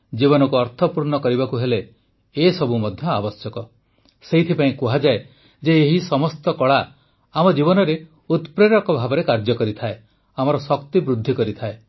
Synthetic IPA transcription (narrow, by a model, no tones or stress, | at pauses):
d͡ʒibɔnɔkuɔɾt̪ʰɔpuɾnɔkɔɾibakuɦeleː | sɔbumɔd̪ʱjɔabɔsjɔkɔ | seɦit̪ʰipaĩkuɦad͡ʒae | d͡ʒeːɦisɔmɔst̪ɔkɔɭa | amɔd͡ʒibɔnɔɾe | ut̪pɾeɾɔkɔbʱabɔɾekaɾd͡ʒɔkɔɾit̪ʰae | amɔɾɔsɔkt̪ibɾud̪ʱːikɔɾit̪ʰae